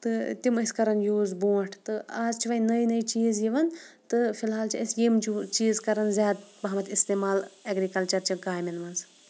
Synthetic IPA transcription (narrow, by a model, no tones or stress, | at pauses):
t̪ɨt̪imɐsʲkɐɾɐnjuːzboːʈʰt̪ɨaːzt͡ʃʰiʋɐnɐjnɐjt͡ʃiːzjiʋɐnt̪ɨfilɦaːlt͡ʃʰiɐsjimt͡ʃʰut͡ʃiːzkɐɾɐnzjaːd̪bɐɦmɐt̪ist̪eːmaːlɐɡɾikɐlt͡ʃɐɾt͡ʃʰiɡaːjminmɐnz